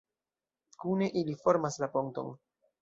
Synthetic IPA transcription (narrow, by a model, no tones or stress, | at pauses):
kune̞ʔilifo̞ɾmaslapoŋ̚to̞̰n